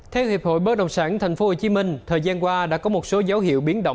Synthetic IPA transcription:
t̪ʰɛ˨˧˩whi˨˩əp̚ho̰˧˨jɓəː˦˥ɗə̰˧˨wŋ͡msaː˧˩nt̪ʰa˨˩jŋ̟fo˨˦ho˨˩t͡ɕi˨˦mï˧ŋ̟t̪ʰəː˨˩jzaː˧nkwaː˧ɗa̰ː˧˥kɔ˨˦mo˨˩t̚so˨˦zə˨˦whḭ˧˨əwɓi˨˦ənɗə̰˧˨ŋ͡m

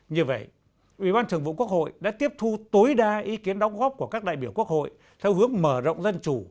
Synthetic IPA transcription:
ɲɨ˧və̰˧˨j | ʔwḭ˨˩ɓaː˧nt̪ʰɨ˨˩əŋvṵ˧˨ku˦˥ək̚ho̰˧˨jɗa̰ː˧˥t̪i˦˥əp̚t̪ʰu˧t̪o˨˦jɗaː˧ʔi˨˦ki˨˦ənɗɔ˨˦wŋ͡mɣɔ˦˥p̚ku˧˩əkaː˦˥k̚ɗa̰ː˧˨jɓi˧˩əwku˦˥ək̚ho̰˧˨j | t̪ʰɛ˧wɦɨ˨˦əŋməː˧˩zə̰˧˨wŋ͡mzə˧nt͡ɕu˧˩

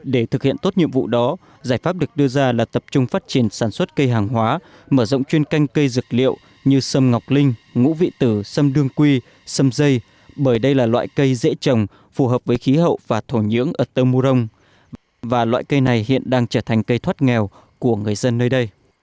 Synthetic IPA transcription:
ɗe˧˩t̪ʰɨ˨˩k̚hḭ˧˨ənt̪o˦˥t̚ɲḭ˧˨əmvṵ˧˨ɗɔ˨˦ | zaː˧˩jfaː˦˥p̚ɗɨ˨˩ək̚ɗɨ˧əzaː˧laː˨˩t̪ə˨˩p̚t͡ɕʊ˧ŋ͡mfaː˦˥t̚t͡ɕi˧˩ənsaː˧˩nswə˦˥t̚kə˧jɦaː˨˩ŋɦwaː˨˦ | məː˧˩zə̰˧˨wŋ͡mt͡ɕwi˧ənka˧jŋ̟kə˧jzɨ˨˩k̚lḭ˧˨ə˨w | ɲɨ˧sə˧mŋa˨˩wk͡p̚lï˧ŋ̟ŋṵ˧˥vḭ˧˨t̪ɨ˧˩sə˧mɗɨ˧əŋkwi˧ | sə˧mzə˧j | ɓəː˧˩jɗə˧jlaː˨˩lwa̰ː˧˨jkə˧jzḛ˧˥t͡ɕə˨˩wŋ͡m | fu˨˩ɦəː˨˩p̚vəː˨˦jxi˨˦ɦə̰˧˨wvaː˨˩t̪ʰo˧˩ɲɨ̰˧˥əŋʔəː˧˩t̪əː˧mu˧zə˧wŋ͡m | vaː˨˩lwa̰ː˧˨jkə˧jna˨˩jhḭ˧˨ənɗaː˧ŋt͡ɕəː˧˩t̪ʰa˨˩ŋ̟kə˧jt̪ʰwaː˦˥t̚ŋɛ˨˩w | ku˧˩əŋɨ˨˩əjzə˧nːəː˧jɗə˧j

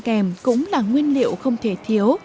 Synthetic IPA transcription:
kɛ˨˩mkʊ̰˧˥ŋ͡mlaː˨˩ŋwi˧ənlḭ˧˨əwxə˧wŋ͡mt̪ʰe˧˩t̪ʰi˨˦əw

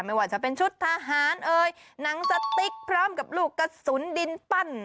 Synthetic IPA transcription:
ma˥˩jwaː˨˩t͡ɕa˧˩pe˧nt͡ɕʰu˦˥t̪ʰːa˧ɦaː˩˦nʔɤː˧jna˨˩˦ŋsa˧t̪i˦˥k̚pʰɾɔː˦˥˨mka˨˩p̚luː˥˩kːa˧su˩˦ndi˧npa˥˩n

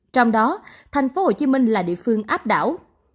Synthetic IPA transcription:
t͡ɕɔ˧wŋ͡mɗɔ˨˦t̪ʰa˨˩jŋ̟fo˨˦ho˧˨˩t͡ɕi˨˦mï˧ŋ̟laː˨˩ɗḭ˧˨əfɨ˧əŋʔaː˦˥p̚ɗa̰ː˧˩w

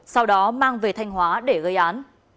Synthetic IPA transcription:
sa˧wɗɔ˨˦maː˧ŋve˨˩t̪ʰa˧jŋ̟ɦwaː˨˦ɗe˧˩ɣə˧jʔaː˨˦n

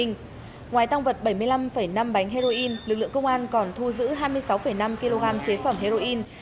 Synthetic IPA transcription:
ŋ̟ | ŋwaː˨˩jt̪a˧wŋ͡mvə˨˩t̚ɓə˧˩jmɨ˧əjla˧mfə˧˩jna˧mɓa˨˦jŋ̟ɦe˧zo˧ʔi˧nlɨ˨˩k̚lɨ̰˧˨əŋkə˧wŋ͡mʔaː˧nkɔ˨˩nt̪ʰu˧zɨ̰˧˥ɦaː˧jmɨ˧əjsa˨˦wfə˧˩jna˧mki˧lo˧ɣaː˧mt͡ɕe˨˦fə˧˩mɦe˧zo˧ʔi˧n

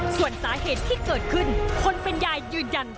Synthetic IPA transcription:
su˨˩ənsaː˩˦heː˨˩t̪ʰːiː˥˩kɤː˨˩t̪̚kʰɯ˥˩nkʰo˧npe˧njaː˧jːɯː˧ja˧n

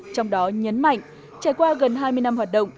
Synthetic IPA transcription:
t͡ɕɔ˧wŋ͡mɗɔ˨˦ɲə˨˦nma̰˧˨jŋ̟ | t͡ɕaː˧˩jkwaː˧ɣə˨˩nɦaː˧jmɨ˧əjna˧mɦwaː˨˩t̚ɗə̰˧˨ŋ͡m

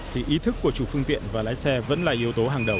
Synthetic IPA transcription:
t̪ʰi˨˩ʔi˨˦t̪ʰɨ˦˥kːu˧˩ət͡ɕu˨˩fɨ˧əŋt̪ḭ˧˨ənvaː˨˩laː˨˦jsɛ˧və̰˧˥nlaː˨˩ʔi˨˦əwt̪o˨˦ɦaː˨˩ŋɗə˨˩w

